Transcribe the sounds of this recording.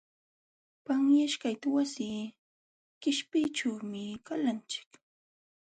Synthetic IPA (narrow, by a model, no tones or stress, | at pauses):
paŋjaʃkajt̪awasiː | kɪʃpɪʈ͡ʂawmɪkalant͡ʃɪ̥k